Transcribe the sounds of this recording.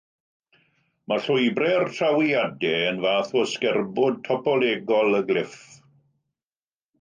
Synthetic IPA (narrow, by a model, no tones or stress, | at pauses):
maɬʊjbrɛrtʰrawiadɛənvaːθɔskɛrbʊd̚tʰɔpɔlˠɛːɡɔlˠəɡlɪf